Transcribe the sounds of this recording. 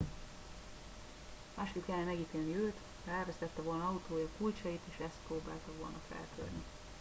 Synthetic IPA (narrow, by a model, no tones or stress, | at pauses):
maːʃkit̪kɛlːɛmɛɡiːt̪eːlniøːt̪ | mɛlvɛst̪ɛt̪ːɛvo̞lnɒɒut̪oːjɒkujt͡ʃɒjit̪eːʃɛst̪proːba̰ːlt̪ɒʋo̞̰lnɒfɛ̰lt̪ʰø̰rni